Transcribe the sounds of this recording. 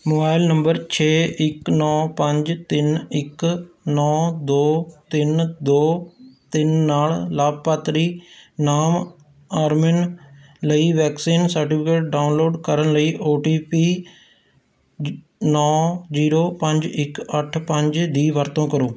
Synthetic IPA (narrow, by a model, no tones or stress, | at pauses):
moːbaːɪlnəmbəɾt͡ʃʰeːʔɪknɔːpəɲd͡ʒt̪ɪnɪknɔːd̪oːt̪ɪnd̪oːt̪ɪnːaːllaːb̚paːt̪ɾiːnaːm | aːɾmɪn | ləiːʋɛːksiːnsəɾʈipʰɪkeːʈ̚ɖaːʊnloːɖkəɾənləiːʔoːʈiːpiː | nɔːziːɾoːpə̃ɲd͡ʒɪkəʈʰpə̃ɲd͡ʒd̪iːʋəɾt̪õːkəɾoː